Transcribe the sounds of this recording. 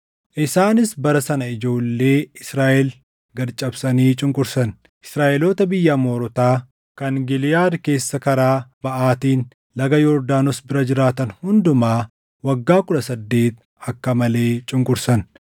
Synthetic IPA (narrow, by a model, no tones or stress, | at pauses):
ʔɪsaːnɪsbɐɾɐsɐnɐɪd͡ʒo̞ːlːe̞ːɪsɾaːʔɛl | ɡɐɾt͡ʃʼɐbsɐniːt͡ʃʼɪŋkʼʊɾsɐn | ʔɪ̥sɾaːʔɛloːt̪ɐbɪjːɐmoːɾɔt̪aː | kɐŋɡɪlɪjaːɾke̞ːsːɐkɐɾaːb̥ɐʔaːt̪iːn | lɐɡɐjɔːɾd̪aːnɔsbɪɾɐd͡ʒɪɾaːt̪ɐnhʊnd̪ʊmaː | wɐɡːaːkʊᶑɐsɐd̪ːe̞ːt̪ | ɐkːɐmɐle̞ːt͡ʃʼɪŋkʼʊɾsɐn